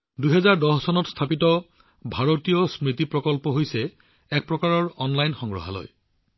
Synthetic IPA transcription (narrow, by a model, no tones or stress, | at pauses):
dujɦɛzaɹdɔɦsɔnɔtst̪ʰapitɔ | bʱaɹotijɔsmɹitipɹɔkɔlpɔɦojsɛ | ɛk̚pɹɔkaɹɔɹɔnlajnxɔŋɡɹɔ̰ɦa̰lo̰j